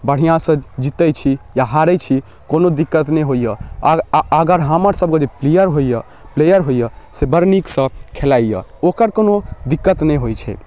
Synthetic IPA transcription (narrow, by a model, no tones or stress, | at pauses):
bəɽ̤ijãsə̃d͡ʒit̪ɛjt͡ʃʰijaɦaɾɛt͡ʃʰi | konod̪ikːət̪nɛɦojəː | ɡəɾɦaməɾsəb̚kəd͡ʒeplejəɾɦojə | plejəɾɦojəsebəɾniksə̃kʰelaijə̰okəɾkonod̪ikːət̪nɛɦojt͡ʃʰɛ̰